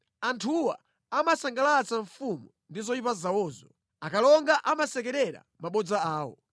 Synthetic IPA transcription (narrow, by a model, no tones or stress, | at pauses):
antʰuwa̰ | amasaŋɡalat͡saɱfumu | ndizɔipazawɔːzɔ | akalɔŋɡaʔamasɛk̬ɛɾɛɾa̰maɓɔd͡zaaːwɔ̰